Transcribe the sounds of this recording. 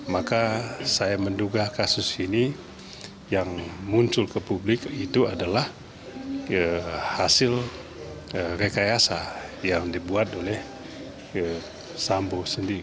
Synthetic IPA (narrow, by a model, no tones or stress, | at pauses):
makasajamənduɡakasʊsini | jaŋmuɲt͡ʃʊlkəpublɪkit̪uadalah | əhasɪl | əɾekajasajaŋdibuat̪olɛh | ə | sambosəndiɾi